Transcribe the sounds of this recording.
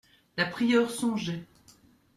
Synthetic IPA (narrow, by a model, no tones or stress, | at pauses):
lapχijœːʁsɔ̃ʒɛ